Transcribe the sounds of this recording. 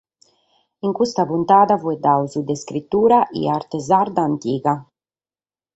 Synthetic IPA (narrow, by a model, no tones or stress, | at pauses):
iŋkust̪apunt̪aːd̪avuɛd̪awzud̪eskɾit̪ːuːɾaʔḭaɾt̪ezaɾd̪aːnt̪iːɡa